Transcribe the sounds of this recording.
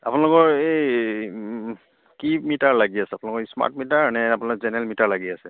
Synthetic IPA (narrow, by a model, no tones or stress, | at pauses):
a̰punalʊkɔɹe | kimitaɹlaɡiasɛapunalʊkɔisma̰t̚mitaɹnɛapunalk̚zɛnɛlmitaɹlaɡiasɛ